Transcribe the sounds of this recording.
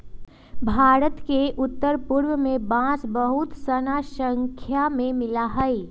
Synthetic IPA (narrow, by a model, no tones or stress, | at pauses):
bʱaːɾət̪keʔʊt̪ːəɾpʊɾwəmẽbãːsbəɦʊt̪sɐnaʃə̃ŋkʰjamẽmɪlaɦɐi